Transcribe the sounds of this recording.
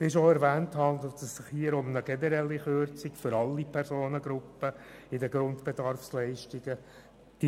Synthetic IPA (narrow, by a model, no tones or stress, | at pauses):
sɪʃoɛɾvæːnthɑndl̩ˠt̪səssɪχhiəɾʊmnəɡ̥ɛnɛɾɛlːiχøɾt͡sɪkfʏɾɑlːipʰɛɾsoːnəɡɾʊpːəɪdəɡɾʊndb̥edɑrfslɛɪʃtɪɡ̥ə | d̥